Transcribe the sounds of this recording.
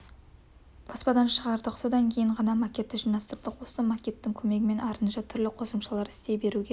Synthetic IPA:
b̥ʰɑspɑd̪ɑnʃəʁɑɾd̪əqso̞d̪ɑŋkʲʰe̞jɪɴʁɑnɑmakʲe̞t̪ːɪʒijnɑst̪əɾəlˠd̪əqwo̞səmakʲe̞t̪ːɪŋkʲʰɵme̞ɡʲɪme̞nɑɾənʃɑt̪ʰʏɾlɪqʰo̞səmʃɑlˠɑɾɪ̥st̪e̞be̞ɾuɡʲe

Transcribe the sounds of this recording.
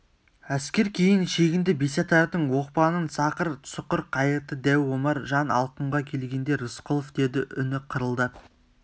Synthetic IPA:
æskʲe̞ɾkʲʰe̞jɪnʃe̞ɡʲɪnd̪ɪbiset̪ɑɾd̪əɴwo̞q̚pɑnənsɑqəɾsʊqəɾqʰɑjəɾt̪əd̪æwːo̞mɑɾʒɑnɑ̰lˠqəɴʁɑkʲʰe̞lɡʲe̞nd̪e̞ɾʊsqolˠofd̪e̞d̪ɪʔʏnɪqʰəɾəlˠd̪ə

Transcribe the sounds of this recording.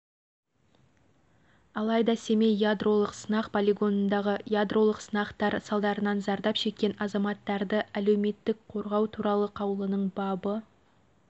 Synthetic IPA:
ɑlˠɑjd̪ɑse̞me̞jjad̪ro̞lˠəqsənɑqpʰolʲeɡo̞nənd̪ɑʁəjad̪rʔo̞lˠəqsənɑqt̪ɑɾsɑlˠd̪ɑɾənɑnzɑɾd̪ɑpʃe̞k̚ʲːe̞nɑzɑmɑt̪ːɑɾd̪əæle̞wme̞t̪ːɪk̚qʰo̞ɾʁɑwt̪ʰuɾɑlˠəqʰɑwəlˠənəɴbɑbə

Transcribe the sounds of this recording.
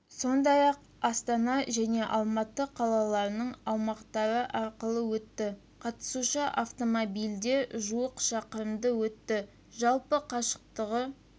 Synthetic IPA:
so̞nd̪ɑjɑq | ɑst̪ɑnɑʒæne̞ʔɑlˠmɑt̪ːəqʰɑlˠɑlˠɑɾnəɴɑwmɑqt̪ɑɾəʔɑɾqəlˠəwɵt̪ːɪ | qʰɑt̪ə̥suʃɑʔaft̪omobijld̪e̞ʒuəqʃɑqəɾəmd̪əwɵt̪ːɪ | ʒɑlˠpəqʰɑʃə̥q̚t̪əʁə

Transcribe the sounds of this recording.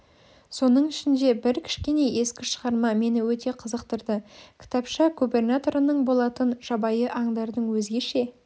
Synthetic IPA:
so̞nəɴɪʃɪnd̪e̞bɪɾkʲʰɪ̥ʃkʲe̞ne̞je̞skʲɪʃəʁɑɾmɑme̞nɪwɵt̪e̞qʰəzəqt̪əɾd̪əkʲʰɪ̥t̪ɑpʃɑɡube̞rnat̪o̞ɾənəɴbo̞lˠɑt̪ənʒ̥ɑbɑjəʔɑɴd̪ɑɾd̪əɴwɵzɡʲe̞ʃe̞

